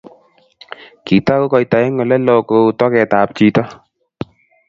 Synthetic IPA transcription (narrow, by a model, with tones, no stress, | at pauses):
ki˨ta˦ko˦kɔ˧jta˨ɛ˦ŋɔ˨lɛ˦lɔ˦ko˧˨tɔ˦kɛ˨ta˨p̚t͡ʃi˧tɔ˦